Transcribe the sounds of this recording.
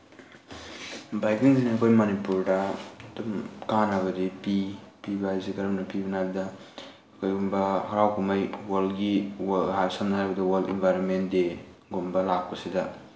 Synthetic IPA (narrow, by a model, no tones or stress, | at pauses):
bajkiŋziniɐkʰojmonipuɾdɐdumkanɐβɐdipipibajziɡɐɾɐmnɐpibɐnajbɐdɐ | kʰojɡumbɐhaɾawkʰumajwalɡiwɦasamnaajbɐdɐwaldḭnbʱajɾonmentde | ɡombɐlak̚pɐsidɐ